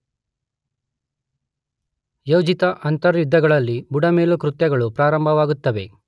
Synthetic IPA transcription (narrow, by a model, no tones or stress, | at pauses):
jɐwd͡ʒit̪ɐʔɐnt̪ɐɾud̪ʱːɐɡɐɭɐlːibuɖɐmeːlukɾut̪jɐɡɐɭupɾaːɾɐmbʱɐʋaːɡut̪ːɐʋe